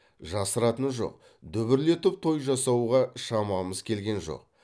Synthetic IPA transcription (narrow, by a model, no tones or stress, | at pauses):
ʒɑsəɾɑt̪ənʒo̞̰q̚ | d̪ʏβɪɾle̞t̪ɪp̚t̪ʰo̞jʒɑsɑwuʁɑʃɑmɑməzkʲʰe̞lɡʲe̞nʒo̞̰q̚